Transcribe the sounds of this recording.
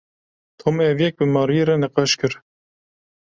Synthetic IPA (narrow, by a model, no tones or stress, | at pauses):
t̪ʰomɛɛvjɛk̚bɨmɑːɾijeɾɛnɛqɑʃkɨɾ